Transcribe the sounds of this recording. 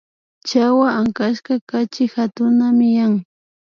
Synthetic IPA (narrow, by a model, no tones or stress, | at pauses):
t͡ʃawaaŋkaʃkakat͡ʃɪxat̪ʊnamɪjaŋ